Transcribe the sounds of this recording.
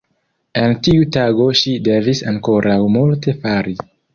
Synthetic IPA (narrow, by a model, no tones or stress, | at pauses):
e̞ntiutaɡo̞ʃide̞visaŋko̞ɾʔawmulte̞faɾi